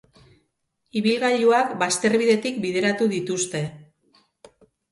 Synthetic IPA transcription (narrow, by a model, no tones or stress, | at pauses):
iβilɣaʎuakbast̪e̞ɾβiðe̞t̪ikbiðe̞ɾat̪uðit̪ust̪e̞